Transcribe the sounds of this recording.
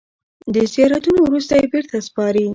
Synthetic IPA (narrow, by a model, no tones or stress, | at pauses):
d̪əzijɑɾat̪unowɾust̪ajebeɾt̪aspɑɾi